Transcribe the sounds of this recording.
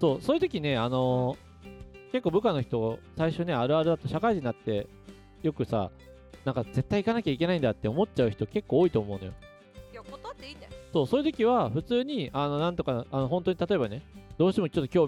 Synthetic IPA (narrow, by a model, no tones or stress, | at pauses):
so̞ːsoːjɯ̟t̪o̞kʲine̞ano̞ | ke̞kːoːbɯ̟kano̞çi̥t̪o̞saiɕo̞ne̞aɾɯ̟aɾɯ̟d̪at̪o̞ɕakaiʑiɲiat̪ːe̞ | jo̞kɯ̟sa̰ | nãŋkaze̞t̪ːaikanakʲaikʲe̞naĩnd̪at̪ːe̞omo̞tt͡ɕaɯ̟çi̥t̪o̞ke̞kːo̞ːit̪o̞ːmo̞ɯ̟no̞jo̞̰ | j̪ | so̞ːso̞ːjɯ̟t̪o̞kʲiβ̞aɸɯ̟t͡sɨːɲ̟iʔano̞nãnt̪o̞kaanoɦõ̞nt̪o̞ɲ̟it̪at̪o̞e̞bane̞d̪̥o̞ːɕi̥t̪e̞mo̞t͡ɕo̞t̪ːokʲo̞ː